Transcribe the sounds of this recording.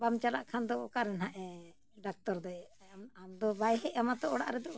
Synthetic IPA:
bamt͡ʃala̰ʔkʰand̪ɔkaɾɛnɦaʔɛ | ɖak̚t̪ɔɾd̪ɔjɛ | mamd̪ɔbajɦɛʔamat̪ɔʔɔɽa̰ʔɾɛd̪ɔʔ

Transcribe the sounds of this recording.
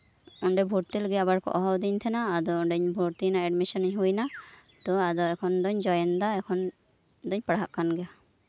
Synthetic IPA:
ɔɳɖɛbʱuɾt̪ilɡɛabaɾkʰɔ̰ʔɔɦɔwd̪iɲt̪ʰɛnaːd̪ɔɔɖɛɲbʱuɾt̪inaɛɖmisɔniɲɦujnat̪ɔad̪ɔɛkʰɔnd̪ɔɲd͡ʒɔjɛnd̪aɛkʰɔn | d̪ɔɲpɽɦaʔkanɡɛja

